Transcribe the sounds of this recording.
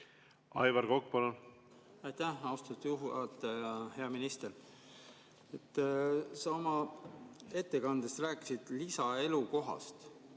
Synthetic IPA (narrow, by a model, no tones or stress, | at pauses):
ɑjvɑɾɡokpɑnɑ | ɑjt̪æhɑwst̪ɑt̪ːjuɦuɑt̪ːˑjɑhe̞ɑminist̪eɾ | et̪ːˑsɑo̞mɑ | e̞t̪ːe̞kɑnd̪̥est̪ræːkːˑi̥sid̪̥lisɑe̞luko̞ɦɑ̰st̪